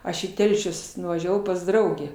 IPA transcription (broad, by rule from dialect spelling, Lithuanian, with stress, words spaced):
ˈɐʃ iː ˈtʲɛlʲʃʲʊs nʊʋɐˈʒʲæːʋɐʊ pɐs ˈdrɐʊɡʲæː